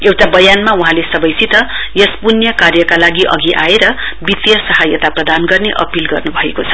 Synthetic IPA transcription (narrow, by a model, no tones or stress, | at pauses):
ewʈabʌjanmauɦãlesʌbʌjsit̪ʌ | jʌspunjʌkarjʌkalaɡiʔʌ̰ɡiʔaeɾʌ | bit̪jʌsʌɦajʌt̪aprʌd̪anɡʌrneʔʌ̰pilɡʌrnubʱʌekot͡sʰʌ̥